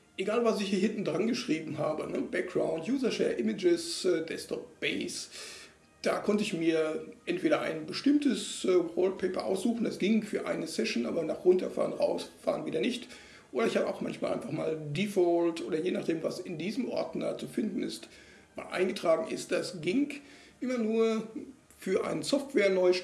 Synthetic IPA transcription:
ʔeɡaːlvasɪçhiːɐhɪntn̩dʁanɡəʃʁ̥iːbm̩ɦaːbənəb̥ɛk̚ɡ̥ʁaʊntjuːzɐʃɛ̰ːɐʔɪmɪd͡ʒɪsɛːdɛstʰɔp̚b̥eɪs | d̥a̰ːkʰɔntəɪçmiːɐʔɛntv̥eːɾɐʔa̰ɪnbəʃtɪmtəsɛːʁoʊlt̚pʰɛɪpɐʔa̰ʊsz̥uːxn̩d̥asɡ̥ɪŋfyːɐʔa̰ɪnəsɛʃn̩ʔa̰ːbɐnaːχʁʊntɐfa̰ːʁənʁa̰ʊsfa̰ːʁənviːdɐnɪçt | ʔoːdɾɐɪçhaːbəʔaʊxma̰nçmaːlʔaɪnfaχma̰ːldifɔltʔoːɾɐjeːnaːχd̥eːmvasɪndiːzəmʔɔ̰ɐtn̩da̰ːt͡sufɪndn̩ɪ̰st | ma̰ːlʔa̰ɪnɡətʁ̥aːɡŋ̩ʔɪst̚d̥asɡ̥ɪŋ | ʔɪmɐnuːɐ | fyːɐʔa̰ɪnəsɔftv̥ɛːɐnɔʏʃ

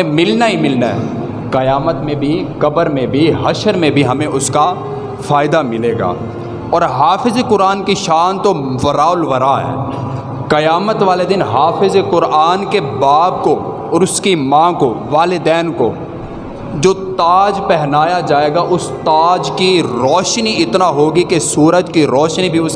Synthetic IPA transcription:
mɪlnaɦimɪlnaɦɛ̰ | kɐjaːmət̪mẽbʱikɐbəɾmẽbʱiɦɐʃəɾmẽbʱiɦɐmẽʔʊska | faːɪd̪amɪleːɡa̰ː | ɔːɾɦaːfɪzekʊɾaːnkiʃaːnt̪oʋɐɾaːʊlʋɐɾaɦɛ̰ː | kɐjaːmət̪ʋaːled̪ɪnɦaːfɪzekʊɾaːnkebaːb̚ko | ɔːɾʊskimãːkoʋaːlɪd̪ɛːnko̰ | d͡ʒoːt̪aːd͡ʒpɛɦnaːjad͡ʒaːeːɡaʔʊst̪aːd͡ʒkiɾɔːʃniɪt̪naɦoːɡikesuːɾəd͡ʒkiɾɔːʃnibʱiʊs

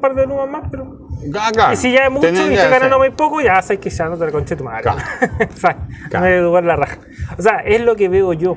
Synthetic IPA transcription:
paɾt̪enumamːapeɾo | ɡakaisiʝaemut͡ʃoisaɣanand̪omajpokoʝasajkeʃanot̪elakont͡ʃet̪uma̰ɾ̰sajnoeuɣwallaraxa | os̬eaʔezlokeβeoʝo

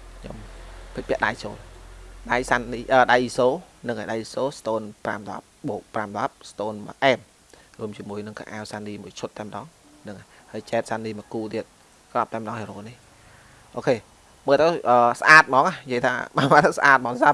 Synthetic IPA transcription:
kʰɲo̰mpʰic̚ɓɛəʔɗajt͡ɕo̰ːlɗajsanːiʔəːɗajʔisoːnɨŋʔajɗajisoːst̪oːnpra̰mɗɑ̰p̚ɓoːk̚pramɗɑp̚st̪oːnma̰ʔɛːm | ruəmt͡ɕiəmuəjnɨŋka̰ʔa̰ːwsaːnːiːmuəjt͡ɕʰʊt̪ːaɛməɗɑːŋ | nɨŋa | haːjt͡ɕɛːt̪̚saːnːiːməkuːt̪iət̪̚ | krɑp̚t̪amə̆ɗɑːŋheɾoːnih | ʔoːkʰeː | məːlt̪əwʔəːsʔaːt̪̚mɑːŋajiəjt̪ʰa̰ːɓa̰ːmaːt̪ːəwsʔa̰ːt̪̚mɑːnsa

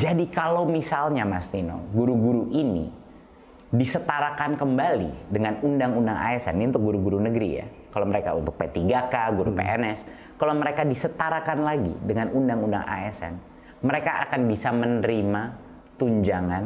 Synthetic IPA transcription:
d͡ʒadikalawmisalɲamast̪ino̰ɡuɾuɡuɾuʔinḭ | disət̪aɾakankəmbalḭdəŋanundaŋundaŋa̰ɛsɛ̰niunt̪ʊk̚ɡuɾuɡuɾunəɡəɾḭja̰ | kalowməɾeka̰ṵnt̪ʊk̚pet̪iɡakaɡuɾupḛʔɛ̰nɛs | kalawməɾekadisət̪aɾakanlaɡḭdəŋanundaŋunda̰ŋʔa̰ɛsɛ̰n | məɾekaʔakanbisamənəɾima | t̪uɲd͡ʒaŋan

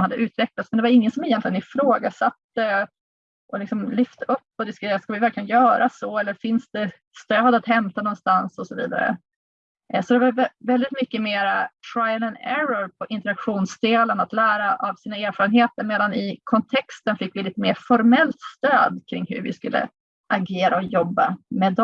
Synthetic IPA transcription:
mhad̪ːəʔʉ̟ːt̪vɛklat̪smɛnd̪ɛvaɾɪŋːənsɔmɛjɛnt̪lɪənɪfɾoːɡasat̪ːə | ʔɔlɪksɔmlʏft̪əɵpːɔd̪ɪskt̪eːɾat̪skavɪvæɾklɪɡənjœːɾʔasɔɛlːəɾfɪnsd̪ɛ | st̪øːd̪at̪hɛmt̪anɔnst̪ansɔsɔvḭːd̪a̰ɾə̰ | sɔd̪ɛvaɾvɛvɛld̪ɪt̪mʏkːəmeːɾatʰɾajəlɛnɛɾɔɾpʰɔʔɪnt̪əɾakɧuːnsd̪eːlənat̪læːɾaʔavsiːnaeːɾfɑːɾənɦeːt̪əɾmeːd̪anɪkʰɔnt̪ʰɛkst̪ənfɪkːvɪliːt̪əmeːɾfɔɾmɛlt̪st̪øːd̪kʰɾɪŋːhɵ̰ɾvɪ̰skɵlːə̰ | ʔaɡeːɾaɔjɔbːamɛd̪ɔ

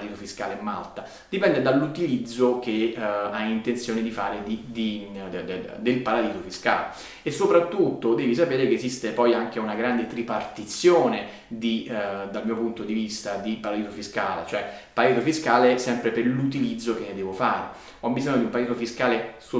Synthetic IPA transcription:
d̪iːzofiska̰ːlemːa̰lt̪a | d̪̥ipɛnd̪ed̪alːut̪ilid̪zːok̟eaint̪ent̪sjoːned̪ifaːɾed̪id̪i | d̪elpaɾad̪iːzofiska̰ːle | esːopɾat̪ːut̪ːod̪ɛːvis̬apeːɾekeːzist̪epɔjaŋk̟eunaɡɾand̪et̪ɾipart̪it̪sjoːne | d̪id̪almiːopunt̪od̪ivist̪ad̪ipaɾad̪iːzofiskaːlḛt͡ʃoɛpaɾad̪izofiskaːlesɛmpɾepelut̪ilid̪zːok̟enːed̪ɛːvofaːɾe | ɔbːizɔɲːod̪iumpaɾd̪it̪ofiskaːleso

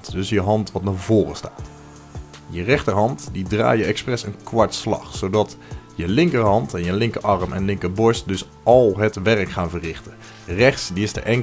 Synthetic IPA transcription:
tdɵsjəɦɑntʋɑtnaːɹvoːrəstaːt | jərɛχtəɹɦɑntdidra̰ːjəɛksprɛsənkʋɑɹtslɑ̰χsowdɑtjəlɪŋkəɦɑntɛnjəlɪŋkəʔɑrmɛ̰nlɪŋkəbɔɹstdɵs | ɑlˠɦətʋɛɹəkχaːnvərɪχtə | rɛχtsdiɪstə̰ʔɛŋ

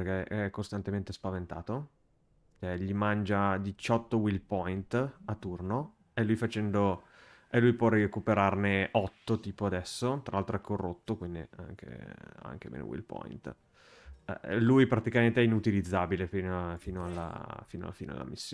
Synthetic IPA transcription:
perkeʔɛkːost̪ant̪ement̪espavent̪a̰ːt̪o | ɛʎːimand͡ʒad̪it͡ʃɔt̪ːowilpɔjnt̪at̪ːurno | elujfat͡ʃɛnd̪o | elujpwɔriekupeɾarneʔɔt̪ːot̪iːpoad̪ɛsːot̪ɾa̰lalt̪ɾoɛkʰːorːot̪ːokwind̪ia̰ŋkḛa̰ŋk̟emḛno̰wḭlpɔ̰jnt̪ | ɛ̰lujpɾat̪ikament̪eɛinut̪ilid̪zːabilefinfiːnoalːa̰fiːno̰a̰lfiːnoa̰lːa̰misːjo

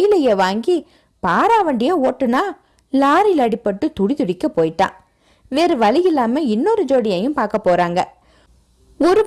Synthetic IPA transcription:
jɪlɐjeːʋaːŋɡi | paːɾaːʋɐɳɖɪjɐoːʈːɯnaː | laːɾɪlɐɽɪpːɐʈːɯt̪ʊɽit̪ʊɽɪkːɐpoːjɪʈːã̰ː | ʋeːɾɯʋɐlɪjɪlːaːmɐɪnːɔɾɯd͡ʒoːɽɪjɐjɯ̃mpaːɾkɐpːoːɾaːŋɡɐ̰ | ɔɾɯ

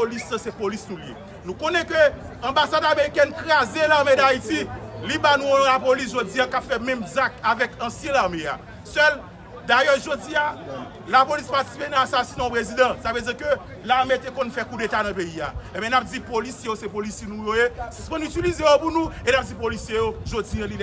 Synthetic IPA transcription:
olisãsepolisnũljḛ | nũkonɛkø | ɐ̃basad̪ameʁikɛnkʁazelaʁmed̪aitilibanũõlapolis̬ʒod͡ziãkapfɛmɛ̃mzakavɛkɐ̃sjɛ̃laʁmea̰ | sœl | d̪ajœʒod͡zia | lapolispaʁti̥si̥penãasasinẽɔ̃pʁezid̪ʌ̃savød͡zikø | laʁmetekõnfɛkudet̪anɐ̃peia̰ẽbɛ̃nap̚d͡zipolisjejosepolisjinũjoesi̥spɛ̃nytilizejopunũenap̚d͡zipolisjejoʒod͡ziɐ̃lid

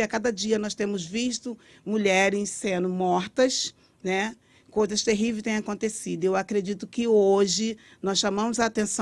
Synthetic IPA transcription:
akad̪ɐd͡ʒiɐnɔst̪ẽmʊzviʃt̪ʊ | muʎɛɾɪ̃sẽnʊmɔɾt̪ɐs | nɛ | kojzɐst̪eɦivest̪ẽj̃akõnt̪esid̪ʊewakɾed͡ʒit̪ʊkɪoʒɪ | nɔsʃɐmɐ̃mʊzaːt̪ẽsɐ̃

